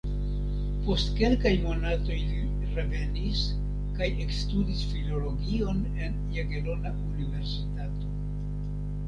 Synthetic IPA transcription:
po̞stke̞lkajmo̞nato̞jli | ɾe̞ve̞nis | kajʔe̞kstudisfilo̞lo̞ɡio̞n | e̞njeɡelo̞naunive̞ɾsitato̞

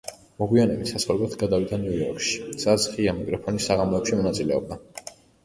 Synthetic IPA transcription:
mɔɡwianɛbit̪ʰsasalɛbat̪ʰɡad̪avid̪aniujɔɾkʰʼʃi̥sat̪sχiamikʼɾɔpʰɔnisːaʁamlɔɛpʃimɔnat̪sʼilɛɔb̚d̪a

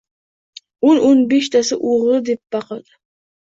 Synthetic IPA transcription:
ononbeʃt̪ʰasɪʔuʁɨd̪ep̚b̥ɑqʰɑd̪̥ɪ

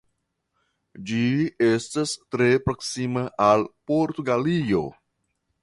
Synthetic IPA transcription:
d͡ʒie̞stastɾe̞pɾo̞ksimaʔalpo̞ɾtuɡalijo̞̰

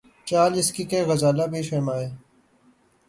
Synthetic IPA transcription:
t͡ʃaːlɪskiːkeːɣəzaːlabiːʃeːmaːeː

